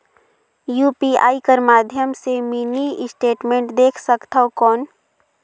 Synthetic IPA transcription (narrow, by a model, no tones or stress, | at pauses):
juːpiːa̰ːikəɾmaːd̪ʱjəmsemiːniɪsʈeːʈmẽːɳʈd̪eːkʰsəkt̪aokɔːn